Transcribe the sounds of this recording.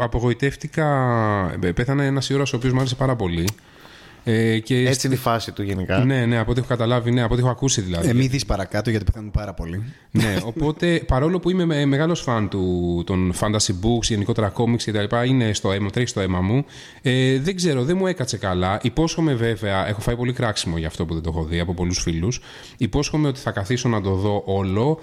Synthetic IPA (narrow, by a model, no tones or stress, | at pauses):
ɐpo̞ɣo̞it̪e̞ft̪ikɐ | pe̞θɐneenɐsio̞ɾɐsopiomuɐɾese̞pɐɾɐpo̞li | ece̞et͡siineifɐsit̪uʝenikɐne̞ne̞ɐpo̞t̪iexokɐt̪ɐlɐvineɐpot̪e̞xoɐkusiðilɐ̰ðiemiðispɐɾɐkɐt̪oʝɐt̪ipeθenunpɐɾɐpo̞li | ne̞o̞po̞t̪e̞pɐɾo̞lo̞puime̞eme̞ɣɐlo̞sfɐnt̪ut̪o̞nfɐnd̪ɐsibuksʝe̞niko̞t̪e̞ɾɐko̞miksce̞t̪ɐlipɐine̞st̪o̞e̞mɐt̪ɾeçi̥st̪oe̞mɐmu | eðeɡze̞ɾoðenmue̞kɐt͡se̞kɐlɐʔipo̞sxo̞me̞ve̞ve̞ɐʔe̞xo̞fɐipo̞likɾɐksimo̞ʝɐːft̪o̞puðed̪oxo̞ðiɐpopo̞lusfilus | ipo̞sxo̞me̞o̞t̪i̥θɐkɐθiso̞nɐt̪o̞ðo̞ʔo̞lo̞